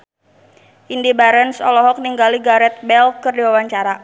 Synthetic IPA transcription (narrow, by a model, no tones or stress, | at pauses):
ʔindibaɾɛnsɔlɔɦɔk̚niŋɡaliɡaɾɛt̪̚bɛlkərdiwawaɲt͡ʃaɾa